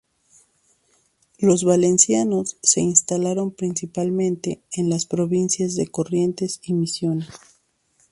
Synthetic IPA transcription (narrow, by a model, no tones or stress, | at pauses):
lo̞zβale̞nsjano̞sːe̞inst̪alaɾo̞mpɾinsipalmẽ̞nt̪e̞ːnlaspɾo̞βinsjazðe̞ko̞rje̞nt̪e̞simisjo̞nes